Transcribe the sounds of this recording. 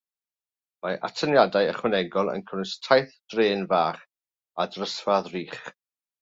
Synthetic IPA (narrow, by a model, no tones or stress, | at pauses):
maʔa̰tʰənjadajəχwɛnɛɡɔlˠə̰nkʰənɪstʰajθd̥reːnvaːχ | adrəsvaðriːχ